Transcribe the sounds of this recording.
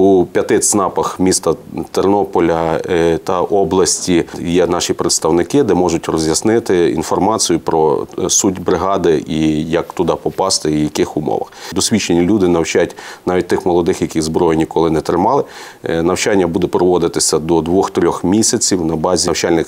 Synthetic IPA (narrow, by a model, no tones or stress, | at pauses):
upʲjɐt̪ɪt͡sʲnɑpɐxmʲist̪ɐt̪ernɔpɔlʲɐt̪ɐʔɔblˠɐsʲtʲijɛnɑʃʲipɾet̪st̪ɐwnɪkɪd̪ɛmɔʒʊtʲrɔzʲjɐsnɪt̪ɪḭnfɔrmɑt͡sʲijʊpɾɔsudʲbɾɪɦɑd̪ɪijɐkt̪ʊd̪ɑpɔpɑst̪ɛijɐkɪxʊmɔ̰ʋɐ̰xd̪ɔsʲʋʲit͡ʃenʲilʲud̪ɪnɐwt͡ʃatʲnɑʋʲit̚ʲt̪ɪxmɔlˠɔd̪ɪxjɐkʲizbɾɔjɪnʲikɔlˠɪnɛt̪ɾɪmɑlˠɪ | nɐwt͡ʃɑnʲːɐbud̪ɛpɾɔʋɔd̪ɪt̪ɪsʲɐd̪ɔd̪ʋɔxt̪ɾʲɔxmʲisʲɐt͡sʲiwnɐbɑzʲwt͡ʃɑlʲnɪx